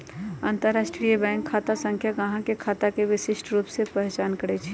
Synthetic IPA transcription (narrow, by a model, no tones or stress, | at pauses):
aːnt̪əɾːaːsʈɾijəbɛ̃ŋkʰːaːt̪asə̃ŋkʰjaɡəɦãkekʰaːt̪akeʋɪsɪʃʈɾuːpsepɛɦɛt͡ʃaːnkəɾɛt͡ʃʰi̥